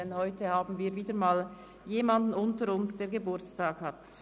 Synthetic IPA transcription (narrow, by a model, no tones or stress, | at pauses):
ɛnhɔʏtəhaːbn̩viːɐɾviːdəmaːl | jeːmɑndn̩ʊntəɾʊnsd̥eːɐɾɡebʊɐt͡staːkhat